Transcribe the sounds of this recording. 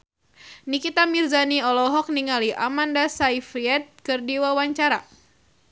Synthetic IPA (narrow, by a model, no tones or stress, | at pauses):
nikit̪amirzaniɔlɔɦɔk̚niŋaliʔamandasaifɾiɛt̪̚kɨrdiwawaɲt͡ʃaɾa